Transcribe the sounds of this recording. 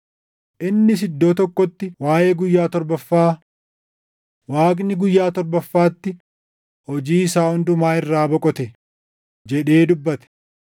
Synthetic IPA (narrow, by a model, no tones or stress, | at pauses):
ʔɪnːɪs̬ɪd̪ːoːt̪ɔkːɔt̪ːɪwaːjeːɡʊjːaːt̪ɔɾbɐfːaː | waːkʼnɪɡʊjːaːt̪ɔɾbɐfːaːt̪ːɪ | hɔd͡ʒiːɪsaːhʊnd̪ʊmaːɪrːaːbɔkʼɔt̪ɛ | d͡ʒɛᶑe̞ːd̪ʊbːɐt̪ɛ̥